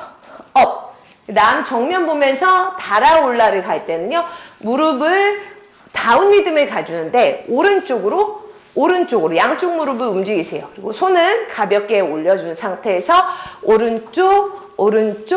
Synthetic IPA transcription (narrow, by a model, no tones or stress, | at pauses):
ʌ | naɯnt͡ɕʌŋmjʌnbomjʌnsʰʌtaɾaoɭːaɾɯɭkaɭt͈e̞nɯɲomuɾɯbɯɭ | taunːidɯmɯɭkad͡ʑunɯnde̞oɾɯnt͡ɕ͈oɡɯɾo | oɾɯnt͡ɕ͈oɡɯɾojaŋt͡ɕ͈uk̚muɾɯbɯɾumd͡ʑiɡisʰe̞jokɯɾiɡosʰonɯnkabjʌk͈̚e̞oʎːʌd͡ʑunsʰaŋtʰe̞ːsʰʌoɾɯnt͡ɕ͈o | oɾɯnt͡ɕ͈o